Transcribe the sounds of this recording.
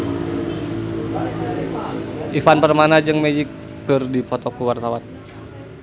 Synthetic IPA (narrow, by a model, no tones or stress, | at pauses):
ʔifanpərmanad͡ʒɨŋmed͡ʒikː | ɨrdipɔt̪ɔkuwart̪awan